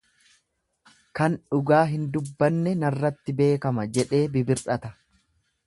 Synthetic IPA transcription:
kɐnᶑʊɡaːɦɪnd̪ʊbːɐnːɛnɐrːɐt̪ːɪbe̞ːkɐmɐd͡ʒɛᶑe̞ːbɪbɪɾᶑɐt̪ɐ

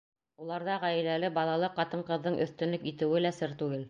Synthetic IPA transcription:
ulˠɑɾðɑʁæjɘ̆lælɘbɑlˠɑlˠɤqɑt̪ɤɴqɤ̆ðːɤɴʔɵ̆θt̪ɵ̆nlɵkit̪ɘ̆wɘlæsɘɾt̪ʉɡɘl

